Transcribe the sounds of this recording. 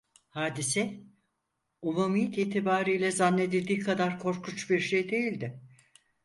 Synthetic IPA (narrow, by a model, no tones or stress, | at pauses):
haːd̪isɛ | umamijt̪ʰiːt̪ʰibaːɾijlʲɛzanːe̞d̪id̪iːkʰad̪aɾkʰo̞ɾkʰut͡ʃbiɾʃejd̪e̞jilʲd̪ɪ